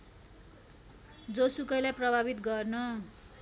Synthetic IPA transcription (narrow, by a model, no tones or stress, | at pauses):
d͡zosukʌjlajprʌbʱaβit̪ɡʌrnʌ